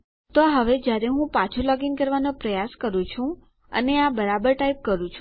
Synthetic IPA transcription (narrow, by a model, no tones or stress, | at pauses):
t̪oɦəʋed͡ʒjaɾeɦũpãt͡ʃʰolɔɡinkəɾʋanopɾəjaskəɾũt͡ʃʰũ | ə̰neabəɾabəɾʈaip̚kəɾũt͡ʃʰ